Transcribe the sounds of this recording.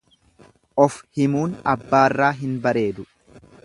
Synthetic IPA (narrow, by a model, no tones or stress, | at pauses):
ʔɔfhɪmuːnɐbːaːrːaːɦɪnbɐɾe̞ːd̪ʊ